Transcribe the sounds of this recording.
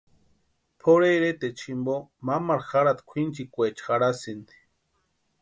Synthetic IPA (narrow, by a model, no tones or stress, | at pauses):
pʰoɾeɾet̪et͡ʃʰimbomamaɾxaɾat̪kʷʰint͡ʃikʷet͡ʃxaɽasind̪i̥